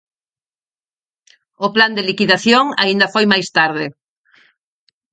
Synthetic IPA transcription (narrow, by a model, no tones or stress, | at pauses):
ʊpland̪elikiðaθjoŋa̰ind̪ɐfojmajst̪aɾðɪ